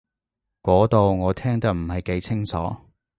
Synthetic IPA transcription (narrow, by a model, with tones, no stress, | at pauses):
kɔː˨˥t̪o˨˧wŋɔː˨˧t̪ʰɛː˥ŋt̪ɐ˥k̚m̩˨˩hɐ˨jke˨˥jt͡sʰɪ˥ŋt͡sʰɔ̰ː˨˥